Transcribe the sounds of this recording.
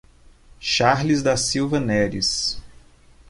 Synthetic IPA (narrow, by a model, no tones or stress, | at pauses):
ʃaɾlizd̪ɐsiwvɐnɛɾḭs